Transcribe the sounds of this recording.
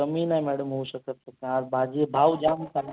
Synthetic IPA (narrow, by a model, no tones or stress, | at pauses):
əminajmɛɽəmɦoʃəkət̪sək̪ẽaɾbʱad͡ʒebʱaːʋd͡ʒamkan